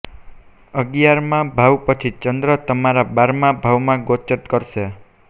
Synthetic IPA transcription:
əɡjaɾmabʱawpʌt͡ʃʰit͡ʃʌnd̪ɾʌt̪əmaɾabaɾmabʱawmaɡot͡ʃəʈ̪kʌɾse

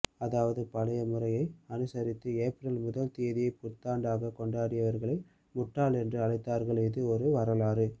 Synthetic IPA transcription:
ɐðaːʋɐðɯpɐlɐjɐmʊrɐjɐɪɐnɯsɐɾɪt̪ːɯeːpɾɐlmʊðɐlt̪ijɐðɪjɐɪpʊt̪ːaːɳɖaːɣɐkɔɳɖaːɾɪjɐʋɐɾɣɐɭɐɪ | mʊʈːaːlɛndrɯɐlɐɪt̪ːaːɾɣɐɭeːðɯɔɾɯʋɐɾɐlaːrɯ

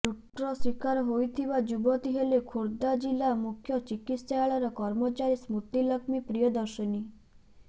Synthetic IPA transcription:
t͡ʃuʈɾɔswikaɾɔɦojt̪ʰibad͡ʒubɔt̪iɦelekʰuɾd̪ad͡ʒilamukʰjɔt͡ʃikit̪saaɭɔɾɔkɔɾmɔt͡ʃaɾismut̪ilɔkmipɾijɔd̪ɔɾʃɔni

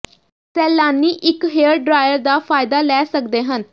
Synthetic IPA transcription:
sɛːlaːniːʔɪkɦeːəɾɖɾaːjəɾd̪aːpʰaːɪd̪aːlɛːsəkd̪eːɦən

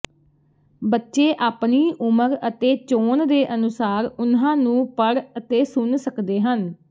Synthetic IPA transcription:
bətːʃeːʔaːpniːʔʊməɾət̪eːt͡ʃoːnd̪eːʔənʊsaːɾʊnãːnũːpəɽət̪eːsʊnsəkd̪eːɦən

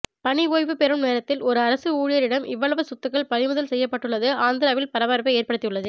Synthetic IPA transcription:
pɐɳɪʋoːjʋɯpɛɾɯmneːɾɐt̪ːɪlɔɾɯɐɾɐsɯuːɻɪjɐɾɪɽɐmɪʋːɐɭɐʋɐsʊt̪ːɯkːɐɭpɐɻɪmʊðɐlsɛjːɐpːɐʈːɯɭːɐðɯaːnd̪ɪɾaːʋɪlpɐɾɐʋaːɾpɐeːɾpɐɽɯt̪ːɪjɯɭːɐðɯ

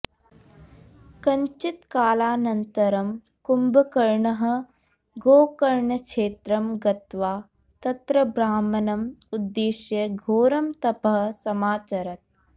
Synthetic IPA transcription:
kɐɲt͡ʃit̪kaːlaːnɐnt̪ɐɾɐm | kumbʱɐkɐɾɳɐɦɐ̆ | ɡoːkɐɾɳɐkʃeːt̪ɾɐmɡɐt̪ʋaː | t̪ɐt̪ɾɐbɾaːmɐnɐmud̪ːeːʃjɐɡʱoːɾɐmt̪ɐpɐɦ̆sɐmaːt͡ʃɐɾɐt̪̚

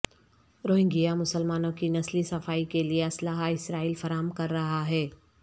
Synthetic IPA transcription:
ɾoːɦɪ̃ŋɡijamʊsəlmaːnõkinɐslisɐfaːikelieɐslaːɦaɪsɾaːiːlfɐɾaːɦəmkɐɾːɐɦaɦɛː

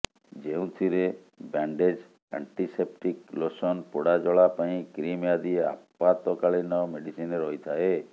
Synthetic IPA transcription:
d͡ʒeũt̪ʰiɾe | baɳɖed͡ʒ | a̰ɳʈisep̚ʈiklosɔnpoɽad͡ʒɔɭapaĩkɾimjad̪iea̰pːat̪ɔkaɭinɔmeɖisineɾɔɦit̪ʰae

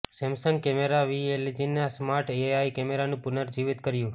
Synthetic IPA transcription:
sɛmsəŋɡ̚kɛmeɾaʋieled͡ʒinasmaɾʈeajkɛmeɾanũpunəɾd͡ʒiʋit̪kəɾjũ

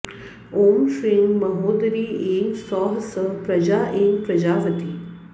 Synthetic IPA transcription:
oːmsiŋmɐɦoːd̪ɾiːeːŋɡsɔːɦsəpɾɐd͡ʒaːʔeːŋɡpɾɐd͡ʒaːʋət̪iː

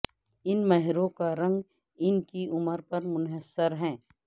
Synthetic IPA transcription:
ɪnmɐɦɪɾõkaɾɐ̃ŋɡ | ɪnkiʔʊməɾpɐɾmʊnɦəsːəɾɦɛ̃ː

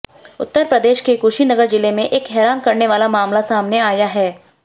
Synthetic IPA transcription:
ʊ̰t̪ːəɾpɾɐd̪eːʃkekuːʃinɐɡəɾd͡ʒɪlemẽʔeːkɦɛːɾaːnkɐɾneʋaːlamaːmlasaːmneaːjaɦɛː

